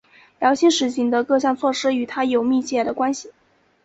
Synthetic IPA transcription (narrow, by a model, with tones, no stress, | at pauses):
ljɑ˧˥ʊɕi˧˥ŋʂɻ̩˧˥ɕi˧˥ŋd̪ə˧kɤ˥˧ɕjɑ˥˧ŋt͡sʰwɔ˥˧ʂɻ̩˥y˨˩t̪ʰa˥jo˨˩ʊmi˥˧t͡ɕʰjɛ˥˩d̪ə˩kwa˥nɕi˨